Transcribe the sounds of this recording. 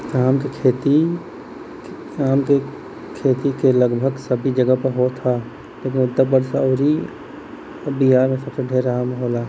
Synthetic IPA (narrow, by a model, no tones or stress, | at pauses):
aːmkekʰeːt̪i | aːmke | kʰeːt̪ikeləɡbʱəɡsəbʱid͡ʒəɡəpəɾɦot̪ʰa | leːk̬ɪnʊd̪əbəɾsɔːɾi | biɦaːɾmẽsɐbseɖʱeːɾaːmɦoːlaː